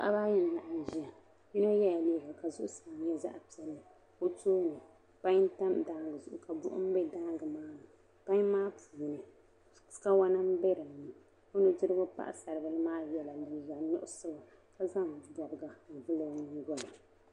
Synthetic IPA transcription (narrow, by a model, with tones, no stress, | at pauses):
a˦ʔa̰˦ba˦ɲɛ˦n˨la˨ʔa˨n˨ʒi˦a˨ | ji˦no˦jɛ˦ja˨leː˦˨ɡa˨ka˨zʊ˦ʔʊ˦sa˨ɲɛ˦za̰˦ʔpi˨ɛ˦lɨ˨ | o˦toː˦nɨ˨ | pa˦ɲ˦n˦ta˦mda˦ŋɡɨ˨zʊ˨ʔʊ˨ka˨bʊ̰˦ʔʊ̰˦m̩˦bɛ˦da˦ŋɡɨ˨maː˦nɨ˨ | pa˦ɲ˦maː˦pʰuː˨nɨ˨ | ska˦wa˦na˦m˦bɛ˦ɾɨ˨m˨nɨ˨ | o˦nɨ˦dɨ˦ɾɨ˦bʊ˦pa̰˦ʔa̰˨sa˨ɾɨ˨bɨ˦lɨ˦maː˦jɛ˦la˨li˨ɡa˨nʊ̰˦ʔʊ˦so˦wa˨ | ka˨za˦m˨bɔ˨ɡɡa˨vɨ˦lo˦ni˦ɡɔ˦ba˨